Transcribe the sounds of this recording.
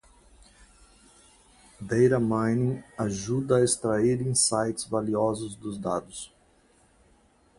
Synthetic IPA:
d̪ejɾɐmãjnĩaʒud̪ɐːest̪ɾaiɾĩsajt͡ʃɪ̥zvaliɔzʊzd̪ʊzd̪ad̪ʊs

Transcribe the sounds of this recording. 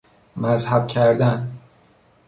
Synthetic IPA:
mæzhæb̚cʲʰæɾd̪æn

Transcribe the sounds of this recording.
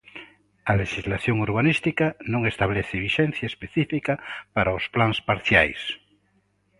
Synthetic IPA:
aleʃizlaθjoŋuɾβanist̪ikanõŋest̪aβleθɪβiʃɛn̟θjaespeθifikapaɾaosplanspaɾθjajs

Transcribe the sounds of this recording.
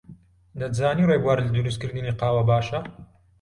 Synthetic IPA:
d̪ɐt̪zaːniːrebwaːɾlad̪uɾust̪̚kɨɾd̪ɨniːqɑːwɐbaːʃɐ

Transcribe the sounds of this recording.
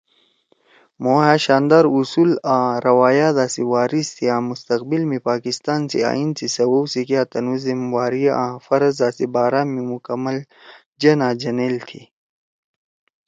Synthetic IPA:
moːɦaːɕaːnd̪aɾusuːlãːɾɐwaːjaːzaːsiwaːɾist̪ʰiãːmust̪ɐqbilmipaːkist̪aːnsḭa̰ːinsisɐwowsikjaːt̪ɐnuzimwaːɾijʔãːfɐɾɐzaːsibaːɾaːmimukɐmːɐl | d͡ʒɐnãːd͡ʒɐnelt̪ʰi

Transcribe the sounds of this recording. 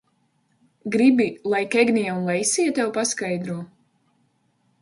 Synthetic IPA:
ɡɾibilˠajkɛɡnijɛunlˠɛjsiɛt̪ɛwpaskajd̪ɾuɔ

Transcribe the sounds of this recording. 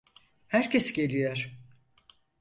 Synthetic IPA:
hæɾcʰesɟelʲijoɾ̥

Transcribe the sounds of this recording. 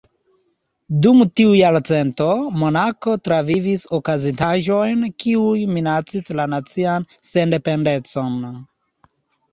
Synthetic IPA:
dumtiujaɾt͡se̞ntomo̞nako̞tɾavivisokazitaʒo̞jnkiujminat͡sislanat͡sianse̞nde̞pe̞nde̞t͡so̞n

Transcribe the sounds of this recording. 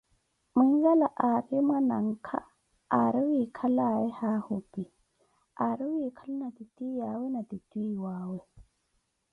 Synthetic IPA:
mʊŋ̩zalaʔarɪmwana̰ŋ̩kʰa | aɾɪwikʰalaɛhahʊpi | aɾɪwikʰalʊnat̪itʼiːjawɛnat̪itʼwiwaːwɛ

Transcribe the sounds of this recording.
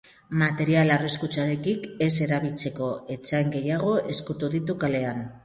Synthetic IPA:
mat̪e̞ɾialariskut͡ʃaɾe̞kike̞se̞ɾaβilt͡se̞ko̞e̞t͡saŋɡe̞jaɣ̞o̞ʔe̞skut̪uðit̪ukale̞an

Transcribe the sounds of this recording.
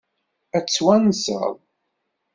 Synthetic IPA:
æt͡sːwænsə̰ðˤ

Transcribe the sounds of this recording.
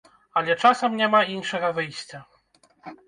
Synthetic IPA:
alʲɛt͡ʂasɛmɲʲɛmainʂɛɣɐvɘjɕʲt͡ɕa

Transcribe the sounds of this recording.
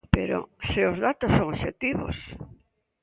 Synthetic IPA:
peɾo̰seozðat̪osːõŋoʃet̪iβo̰s

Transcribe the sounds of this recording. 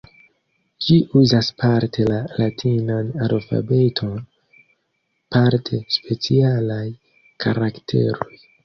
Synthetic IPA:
d͡ʒiʔuzaspʰaɾtʰe̞lalatʰinanalfa̰be̞tʰo̞n | paɾtʰe̞spʰe̞t͡sialaj | kʰaɾaktʰe̞̰ɾo̞j

